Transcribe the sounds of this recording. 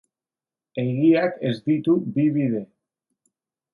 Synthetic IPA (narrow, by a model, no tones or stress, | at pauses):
e̞ɣiake̞zd̪it̪ubiβiðe̞